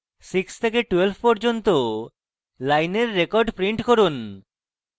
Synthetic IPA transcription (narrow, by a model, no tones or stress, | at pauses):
sikst̪ʰekeʈuelfpɔɾd͡ʑont̪o | lajneɾːekɔɾɖpɾiɳʈkoɾun